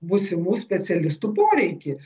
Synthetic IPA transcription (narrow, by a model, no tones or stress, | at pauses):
bʊsʲɪmuːsʲpʲɛt̪sʲɛlʲɪst̪upoːɾʲɛɪkʲɪ